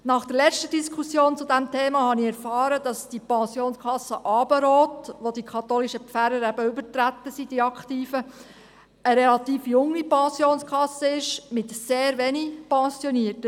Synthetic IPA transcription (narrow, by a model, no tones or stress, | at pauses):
nɑχd̥̪əɾlɛt͡stədiskʰusjoːnt͡sʊdæmtʰeːmɑhɑnɪɛɾfɑːɾəd̥ɑsd̥ipɑ̃sjoːnskʰɑsːəʔɑːbəɾoːtʋodikʰɑt̪oːliʃəfæɾəɾæbəybəɾtɾætːəsid̥iɑkχtiːfə | əɾɛlɑt̪iːfjʊŋːipɑ̃sjoːnskʰχɑsəɪʃmɪtseːɾʋɛnipɑ̃sjɔniətə